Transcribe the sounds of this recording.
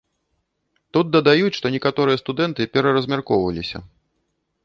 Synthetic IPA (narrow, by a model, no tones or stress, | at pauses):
t̪ut̪̚d̪ɐd̪ajut͡sʲʂt̪ɔnʲɛkat̪ɔɾɨjɐst̪ud̪ɛnt̪ɨpʲɛɾɐɾɐzʲmʲarkɔwvɐlʲisʲɐ̰